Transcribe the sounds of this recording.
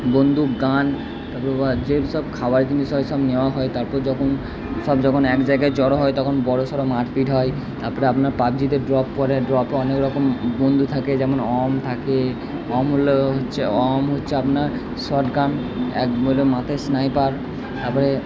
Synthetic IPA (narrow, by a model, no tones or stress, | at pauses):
bond̪ʱuɡan | t̪aɾpɔɾebad͡ʑeʃɔbkʰabaɾk̪inuʃɔeʃɔbnewaɦɔet̪aɾpɔɾd͡ʑɔkʰon | sɔbd͡ʑɔkʰonɛkd͡ʑajɡajt͡ɕɔɽoɦɔjt̪ɔkʰonbɔɾosɔɾomaʈfiʈɦɔj | t̪aɾpɔɾeapnaɾpab̚d͡ʑid̪eɾɖɾɔpːɔɾeɖɾɔpeɔnekɾɔkombond̪ʱut̪ʰaked͡ʑɛmonɔmt̪ʰake | ɔmɦoloɦotːɕʰeɔmɦotːɕʰeapnaɾ | sɔʈɡan | ɛ̰kolomat̪ʰesnajpaɾ | t̪aɾpɔɾe